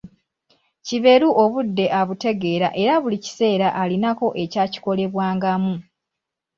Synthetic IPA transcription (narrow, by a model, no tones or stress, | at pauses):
ciβe̞ɾuʔoβudːe̞ʔaβute̞ɡe̞ːɾa̰ʔe̞ɾaβulici̥se̞ːɾaʔalinako̞ʔe̞caːci̥ko̞le̞βwaːŋɡamu